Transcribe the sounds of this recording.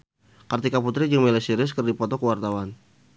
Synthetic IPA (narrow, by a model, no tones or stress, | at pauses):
kart̪ikaput̪ɾid͡ʒəŋmɛlɛsiɾɪs̬kərdipɔt̪ɔkəwart̪awan